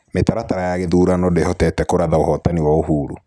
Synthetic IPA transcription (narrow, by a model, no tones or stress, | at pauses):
metaɾataɾajaɣeðuːɾanɔdehɔtɛtɛkoɾaðaohɔtaniwaoɦuːɾu